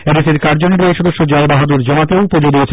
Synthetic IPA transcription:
ɛɾeseɾkaɾd͡ʑoneɾoeʃɔd̪oʃːod͡ʑajbaɦad̪uɾd͡ʑɔmat̪eopod͡ʑod̪ijet͡ɕʰe

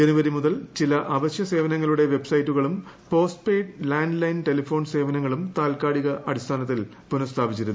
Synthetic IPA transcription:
d͡ʑenuʋɐɾimuðɐlt͡ɕilɐʔɐʋɐɕjɐse̞ːʋɐnɐŋːɐɭuɽe̞ʋe̞bsɐjtːuɣɐɭum | po̞ːsʈpeːɖlaːɳɖlɐjnʈe̞lɐfo̞ːnse̞ːʋɐnɐŋːɐɭumt̪aːlkaːɽiɣɐʔɐɽist̪ʰaːnɐt̪ːil | punɐst̪ʰaːbit͡ɕːiɾunː

